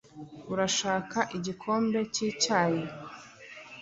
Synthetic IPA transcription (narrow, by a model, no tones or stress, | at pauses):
uɾaʃaːkaʔiɟikʰo̞ːmbe̞ciːcaːje